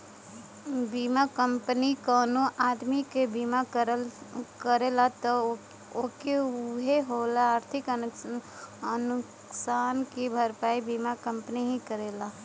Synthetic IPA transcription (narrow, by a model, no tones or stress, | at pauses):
biːmakə̃mpənikɔːnoʔaːd̪mikebiːmakəlkəɾelat̪ɔ | okeɦeɦolaaːɾt̪ʰɪkə | ənʊksaːnkibʱəɾpaːibiːmakə̃mpəniɦikəɾeːla